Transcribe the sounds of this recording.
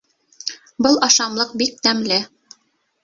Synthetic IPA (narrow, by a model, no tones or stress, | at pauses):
bɤlˠɑʃɑmlˠɤq̚bik̚t̪æmlɘ